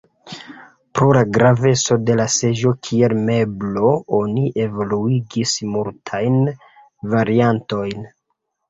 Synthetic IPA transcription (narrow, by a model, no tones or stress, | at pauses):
pɾo̞laɡɾave̞t͡so̞de̞lase̞ʒo̞kʰie̞lme̞blo̞oniʔe̞voluiɡismultʰajn | vaɾianto̞jn